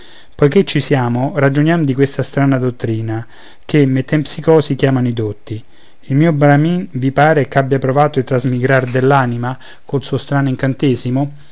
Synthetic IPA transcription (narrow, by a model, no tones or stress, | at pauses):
pɔjket͡ʃːisjaːmʊrad͡ʒʊnjamd̪ikwest̪ast̪ɾaːnad̪ot̪ːɾiːna | kemet̪ːɛmpsikɔːsik̟jaːmanid̪ot̪ːi | ilmiːobɾaminvipaːɾekabːjapɾovaːt̪oit̪ːɾazmiɡɾard̪elːaːnima | kolsuost̪ɾaːnoiŋkant̪eːzimo